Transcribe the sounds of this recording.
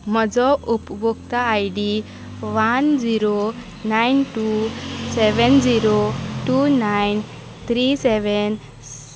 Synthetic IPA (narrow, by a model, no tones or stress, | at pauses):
məd͡zɔʔupbokt̪aːjɖi | ʋand͡ziɾo | najnʈusɛʋənd͡ziɾoʈunajn | t̪ʰɾisɛʋɛn